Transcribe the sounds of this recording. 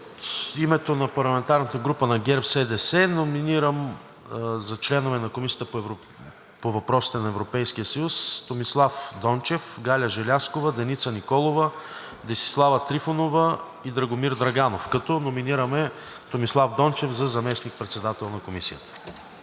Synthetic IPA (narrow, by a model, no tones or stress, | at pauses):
ot̪imɛt̪onɐpɐɾlˠɐmɛnt̪aɾnət̪əɡɾupənɐɡʲɛɾpsɛd̪ɛsɛnominiɾəm | zɐt͡ʃlɛnovɛnɐkomisijət̪əpoɛvɾo | povɐpɾɔsi̥t̪ɛnɐɛvɾopɛjsk̟ijəsɐjust̪omislˠafd̪ɔnt͡ʃɛfɡalʲəʒɛlʲaskovəd̪ɛnit̪sənikɔlˠovə | d̪ɛsi̥slˠavət̪ɾifonovə | id̪ɾɐɡomiɾd̪ɾɐɡanofkɐt̪ɔnominiɾəmɛ | t̪omislˠavd̪ɔnt͡ʃɛfzɐzɐmɛsnik̚pɾɛt̪sɛd̪at̪ɛlˠnɐkomisijət̪ə̥